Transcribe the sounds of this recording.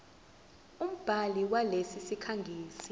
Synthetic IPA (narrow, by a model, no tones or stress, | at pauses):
um̩b̥ʱaliwalesisikʰaŋɡʱiːsi